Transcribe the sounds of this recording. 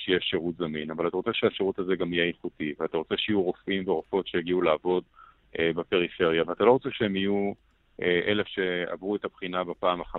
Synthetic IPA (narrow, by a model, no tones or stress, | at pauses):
ʃejeɛʃeʁutzaminavalat̪aʁot͡seʃeaʃeʁutazeɡamijeiχutiveat̪aʁo̞t͡seʃejuʁo̞fʔimveʁo̞fo̞tʃejaɡiulaavo̞d | ebepe̞ʁife̞ʁjaveat̪alo̞ʁot͡seʃee̞miju | ʔeʔelefʃe̞a̰vʁuetapχinabepaːmaχa